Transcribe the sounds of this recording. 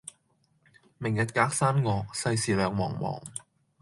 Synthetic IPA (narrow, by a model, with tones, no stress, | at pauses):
mɪ˨˩ŋjɐ˨t̚kaː˨˥k̚saː˥nŋɔː˨˧k̚sɐ˧jsiː˨˩lœː˨˧ŋmɔː˨˩ŋmɔ̰ː˨˩ŋ